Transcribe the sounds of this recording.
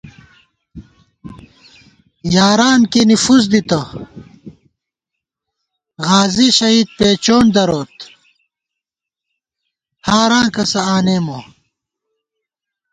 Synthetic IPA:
jaːɾaːnkinifuz̬d̪it̪ɐ | ɣaːziɕɐɦiːd̪̚peːt͡ɕoːnd̪ɐɾoːt̪ | haːɾãːkɐsɐaːneːmo

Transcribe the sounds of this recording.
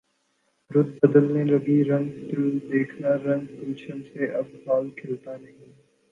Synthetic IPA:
ɾʊd̪̚bəd̪əlnelɐɡiɾɐ̃ŋɡt̪ɪld̪eːkʰnaɾɐ̃ŋɡkuːʃənseʔɐb̚haːlkʰɪlt̪anɐɦĩ

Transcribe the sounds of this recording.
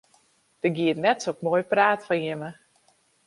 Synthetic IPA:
d̥ərɡiətnɛtsokmoːjpraːtfajɪmə

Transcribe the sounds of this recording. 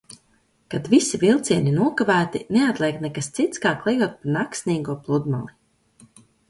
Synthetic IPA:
kad̪visivilˠt̪siɛninuɔkavæːt̪ineat̪lˠiɛknɛkast̪sit̪skaːklˠɛjuɔt̪̚paɾnaksnʲiːɡuɔplˠud̪ma̰lˠi

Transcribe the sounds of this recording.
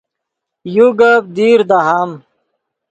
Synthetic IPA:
juɡɐb̚d̪iːɾd̪aɦaːm

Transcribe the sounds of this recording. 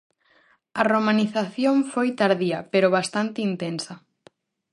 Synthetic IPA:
ɐromaniθaθjoɱfojt̪aɾðiɐpeɾʊβ̞ast̪ant̪ɪint̪ensɐ

